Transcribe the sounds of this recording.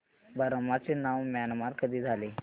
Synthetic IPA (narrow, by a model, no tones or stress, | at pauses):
bəɾmat͡senaʋmanmat̪kəd̪iːd͡zʱale